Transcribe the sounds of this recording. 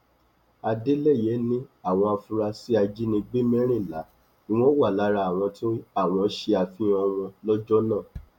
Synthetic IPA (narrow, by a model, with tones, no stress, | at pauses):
a˧de˦le˦˨je˨˦nĩ˦a˦˨w̃ɔ̃˧a˧fũ˧ɾa˧si˦a˧d͡ʒi˦nĩ˧ɡ͡be˦mɛ̃˦ɾ̃ĩ˦˨la̰˨˦ | i˧w̃ɔ̃˦wa˦˨la˨˦ɾa˧a˨w̃ɔ̃˧tĩ˦a˦˨w̃ɔ̃˧˨˦ʃe˧a˧fĩ˦ɔ˧w̃ɔ̃˧lɔ˦d͡ʒɔ˦nã˦˨